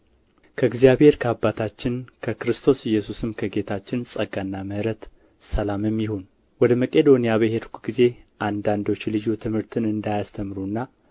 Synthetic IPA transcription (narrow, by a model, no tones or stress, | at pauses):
kʰəɨɡzijaβhe̞ɾkʰəabːat̪ʰat͡ʃːɪnkʰəkɨɾɨst̪ʰo̞sɪjːɛsusɨmkʰəɡe̞t̪ʰat͡ʃːɪnsʼəɡanːaməɾət̪ | səlamɨmːjɪhon | wɔd̪əməkʼe̞d̪o̞nijaβəhed̪kʷuɡize̞ʔand̪and̪o̞t͡ʃːlɨd͡ʒut̪ʰɨmhɨɾt̪ʰɨnɨnd̪ajast̪ʰəmɾunːa